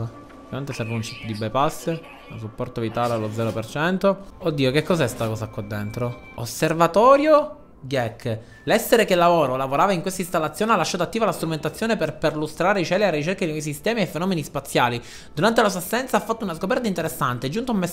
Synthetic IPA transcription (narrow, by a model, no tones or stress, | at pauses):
ovjament̪esɛɾvaunt͡ʃip̪ːod̪ibɛjpasːe | usupːɔrt̪avit̪aːlealod̪zːɛːɾopert͡ʃɛnt̪ood̪ːiːokekːɔzɛst̪akɔːsakːad̪ːent̪ɾo | osːervat̪ɔːɾjo | ɡjɛkː | lɛsːeɾekelːavoːɾolavoɾaːvaiŋkwest̪aist̪alːat̪sːjoːnealːaʃːaːt̪oat̪ːiːvalast̪ɾument̪at̪sːjoːneperpeɾilust̪ɾaːɾeit͡ʃɛːlearːit͡ʃerkankɔjs̬ist̪ɛːmiefːenɔːmenispat̪sːjaːli | d̪uɾant̪elas̬ast̪ːɛnt̪safːat̪ːounaskopɛrt̪aint̪eɾesːant̪ed͡ʒːunt̪oume